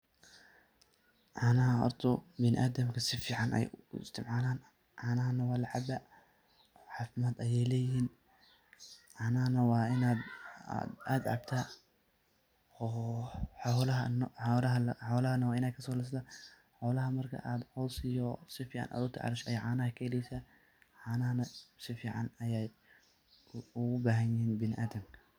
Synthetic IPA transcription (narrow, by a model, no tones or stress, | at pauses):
ʕɑːnɐɦɐɔ̰rt̪ʰʊbɪnɪ̰ʔaːd̪ɐmkʰɐsɪfiːʕɑnʔɛ̰jʊɪ̰st̪ʰɪmʕaːlaːn | ʕɑːnɐɦɐnɐwɑːlɐʕɑbɐ | ħɑːfɪmaːd̪ɐjɛjlɛːjɪɦiːn | ʕɑːnɐɦɐnɐwɑːɪnaːd̪a̰ːd̪a̰ːd̪ʕɑ̰bt̪ʰa | ɔːħɔlɐɦɐnɔlɐɦɐħɔlɐhɐnɐwɑːɪnaːd̪̚kʰɐsɔːlɪs̬t̪ɐ | ħɔːlɐɦɐmɐrkʰɐ̰ʔaːd̪ʕɔːsɪjɔsɪfiːʕɑ̰nʔa̰ːd̪ʊt̪ʰɐʕɑ̰ɾɪʃɛjʕaːnɐhɐkʰɛlɛjsɐ | ʕɑːnɐɦɐnɐsɪfiːʕɑ̰nɐjɛj | ʊɣʊbaːɦɐnjɪhiːnbɪnɪʔaːd̪ɐmkʰɐ